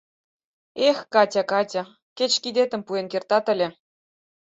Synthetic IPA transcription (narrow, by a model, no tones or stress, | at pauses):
exkɑtʲɑkɑtʲɑ | ket͡ɕkid̪et̪ə̆mpuenkert̪ɑt̪ə̆lʲĕ